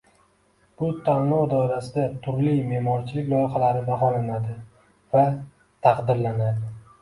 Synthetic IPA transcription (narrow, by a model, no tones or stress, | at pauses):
b̥ʊt̪ʰanlɒd̪ɒwɾasɪd̪at̪ʰʊɾlime̞mɒɾt͡ʃʰɪlɪkʲlˠɒjχalaɾɪb̪aɦɒlanad̪ɪ | va | t̪ʰɑqd̪ɪɾlanad̪ɪ